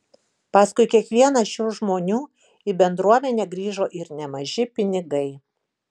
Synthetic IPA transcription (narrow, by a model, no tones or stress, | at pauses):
pɑːskʊɪkʲiɛkʋʲiɛnɐʃʲuːʒmoːnʲuː | iːbʲɛnd̪ɾuɔmʲɛnʲɛːɡɾʲiːʒoːʔɪɾnʲɛmɐʒʲɪpʲɪnʲɪɡɐɪ